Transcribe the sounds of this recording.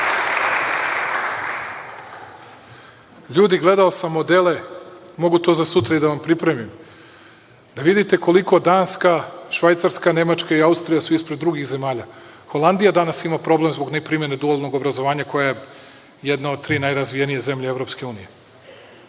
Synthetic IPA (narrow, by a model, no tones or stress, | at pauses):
ʎuːd̪iɡle̞d̪aosamːod̪ele̞mo̞ɡut̪o̞ːzasut̪ɾaid̪aʋampɾipɾe̞mim | d̪̥aʋid̪it̪e̞ko̞liko̞d̪aːnskaʃʋajt̪saɾskane̞mat͡ʃkaiaust̪ɾijasuispɾed̪ɾuɡiɣze̞maːʎaxo̞lˠand̪ijad̪anasimapɾo̞ble̞mzbo̞ɡnapɾimje̞ned̪uolˠno̞ɡobɾazo̞ʋaːɲako̞jaje | jed̪naod̪̚t̪ɾiːnajɾazʋijenijeze̞mʎeevɾo̞pske̞uːnije̞